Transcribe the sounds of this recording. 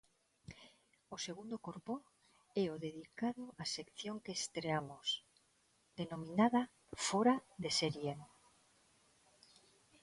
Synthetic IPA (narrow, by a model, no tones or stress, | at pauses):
oseɣ̞und̪okoɾpo | ɛoðeðikaðoʔasekθjoŋkeːst̪ɾeamos | d̪̥enomĩnaða | foɾaðeseɾjen